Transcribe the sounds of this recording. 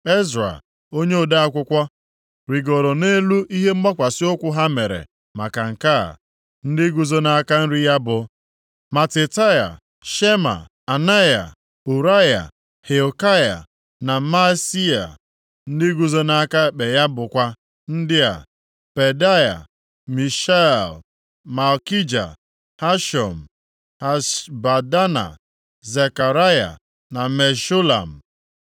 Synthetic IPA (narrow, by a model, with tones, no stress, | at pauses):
e˦zɾa̰˨ | o˦ɲe˦o˨da˦a˦kʷʊ˦kʷa˦ | ɾi˨ɡo˨ɾo˨ne˦lu˦i˦ɦe˦m̩˦ɡ͡ba˦kʷa˨sɪ˦o˦kʷʊ˦ɦa˦me˨ɾḛ˨ | ma˨ka˨ŋ̩˨ka˦a̰˨ | n̩˦dɪ˦ɡu˨zo˦na˨a˦ka˦n̩˦ɾi˦ja˦bʊ˨ | ma˨tɪ˨ta˦ja̰˨ | ʃe˦ma̰˨ | a˨na˦ja̰˨ | u˨ɾa˦ja̰˨ | he˨o˨ka˦ja̰˨ | na˨ma˦si˦a̰˨ | n̩˦dɪ˦ɡu˨zo˦na˦ka˦˨k͡pe˨ja˦bʊ˨kʷa˦ | n̩˦dɪ˦a̰˨ | pe˨da˦ja̰˨ | mi˨ʃa˦ɛ˨l | ma˨lki˦d͡ʒa̰˨ | ha˦ʃɔ̰˨m̩˨ | ha˦ba˨da˦na̰˨ | ze˨ka˨ɾa˦ja̰˨ | na˨me˨ʃu˦la̰˨m̩˨